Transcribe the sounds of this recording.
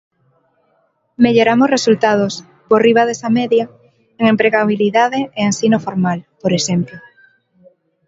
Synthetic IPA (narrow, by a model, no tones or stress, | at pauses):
meʎoɾamosresult̪að̞os | poriβ̞aðesameðja | eŋempɾeɣaβ̞iliðaðeeensinofoɾmalpoɾeʃemplo